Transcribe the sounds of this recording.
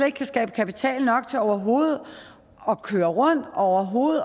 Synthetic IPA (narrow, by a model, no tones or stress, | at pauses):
le̝ɡ̥kʰæsɡ̥ɛ̰ːb̥əkʰæpit͡sʰɛ̰ːlnɒ̽ɡ̥̚t͡sʰe̝ɒʊ̰ɐɦo̝ːð̩ˠ | ɒ̽kʰøːɐʁɔ̽n̰d̥ɒʊ̰ɐɦo̝ːð̩ˠ